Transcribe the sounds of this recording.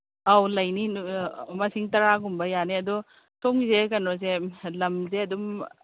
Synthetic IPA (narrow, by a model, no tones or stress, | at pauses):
awlɐjni | mɐsiŋtɐɾaɡumbɐjaniɐdu | tʰomɡizekɐnɔzelɐmzeɐdum